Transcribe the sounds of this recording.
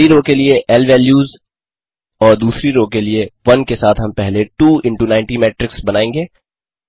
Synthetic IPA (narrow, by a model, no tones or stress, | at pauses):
iɾoːkelieʔɛlʋɛːljuːz | ɔːɾd̪uːsɾiɾoːkelieʋɐnkesaːt̪ʰɦɐmpɛɦleʈuːɪ̃ɳʈunãɪ̃ɳʈimɛːʈɾɪksbɐnaːẽːŋɡeː